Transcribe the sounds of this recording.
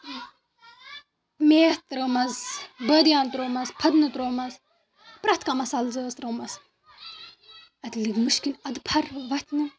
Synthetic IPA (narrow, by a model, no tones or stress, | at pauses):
meːht̪ɾomɐzbəd̪ijaːnt̪ɾoːmɐzpʰɐd̪nɨt̪ɾoːmɐz | pɾɐht̪kamɐsɐlzəːst̪ɾɐmɐz | ɐt̪lɨɡmɨʃkinɐd̪pʰɐɾʋɐt̪ʲʰnɨ